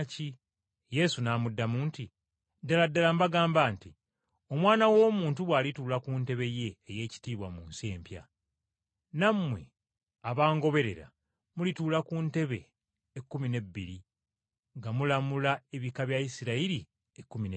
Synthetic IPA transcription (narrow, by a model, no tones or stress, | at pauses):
i | je̞sunaːmudːamunti | daladːalambaɡaːmbaːnti | o̞mwaːnawo̞ːmuːntuβwaːlituːlakuːnte̞βe̞je̞ːje̞ːci̥tiːβwamuːnsie̞ːmpja | namwe̞̰ | aβaːŋɡo̞βe̞ɾe̞ɾa̰ | mulituːlakuːnte̞βe̞̰ | ekːumine̞bːiɾi | ŋɡamulamulae̞βikaβjaisiɾaiɾi | ekːumin